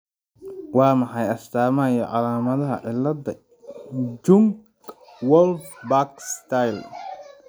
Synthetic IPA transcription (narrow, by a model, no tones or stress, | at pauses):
wɑːmɑħɑjɐst̪ʰaːmɐjɐʕɑ̰laːmɐðɐɦɐ̰ʕɪlːɐd̪ɐ | d͡ʒʊŋk | wɔlfbakst̪ʰajl